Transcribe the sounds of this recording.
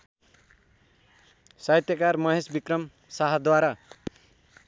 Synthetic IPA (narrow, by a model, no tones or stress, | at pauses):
sajt̪jʌkarmʌɦesbikrʌm | saɦʌd̪waɾa